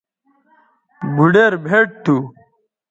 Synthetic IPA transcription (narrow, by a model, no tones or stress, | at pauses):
bʱuɖeɾbʱeʈ̚t̪ʰu